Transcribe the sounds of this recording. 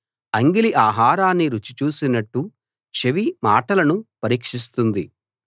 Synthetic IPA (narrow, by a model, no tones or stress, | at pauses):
ɐŋɡiliʔaːɦaːɾaːnːiɾut͡ʃit͡ʃuːsinɐʈːu | t͡ʃeʋima̰ːʈɐlɐnupɐɾiːkʂis̬t̪und̪ḭ